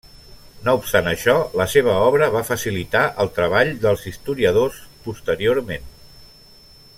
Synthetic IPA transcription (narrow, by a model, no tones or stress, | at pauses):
noupst̪anəʃɔləseβ̞əɔβɾəβafəsilit̪aʔəlˠt̪ɾəβaʎd̪əlˠzist̪uɾiəð̞ospust̪əɾioɾmen